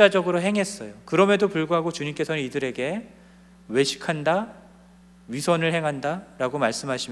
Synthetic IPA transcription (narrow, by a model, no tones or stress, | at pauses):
ad͡ʑʌɡɯɾoɦe̞ŋɦe̞s͈ʌjokɯɾʌmedopuɭɡoɦaɡot͡ɕuɲimk͈e̞sʰʌnɯnidɯɾe̞ɡe̞ | we̞ɕʰi̥kʰanda | ɥisʰʌnɯɭhe̞ŋɦandaɾaɡomaɭs͈ɯmɦaɕʰim